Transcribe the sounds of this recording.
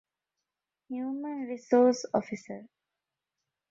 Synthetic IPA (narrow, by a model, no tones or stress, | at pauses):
hjuːmənɾisoːsɔ̰fisəɾ